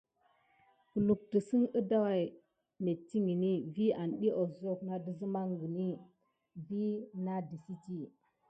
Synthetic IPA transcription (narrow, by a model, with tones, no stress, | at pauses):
ku˨lu˨k̚tə˨si˦ŋə˦da˦wa˦˨j | me˨tːi˦ŋɡi˨ni˦vi˦a˨nɗi˦ʔo˨zo˦˨kna˦də˨zə˦ma˦ŋɡi˨ni˦ | vi˦na˦di˨si˦ti˦